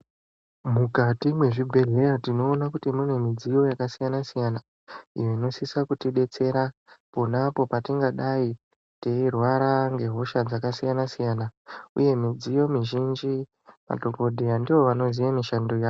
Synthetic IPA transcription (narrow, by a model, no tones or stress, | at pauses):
mukatimwe̞ʐibʱe̞ɮe̞ratino̞ːnakutimune̞mid͡zijo̞jakasijanasijana | ḭjo̞ino̞sisakutiɓe̞t͡se̞ɾaponapo̞patiŋɡaɗai | teirwaɾaŋɡe̞ɦo̞ʃad͡zakasijanasijanaṵje̞mid͡zijo̞miʒind͡ʒi | ma̰to̞ko̞dʱijandiʋo̞ʋano̞zijamiʃandojaːo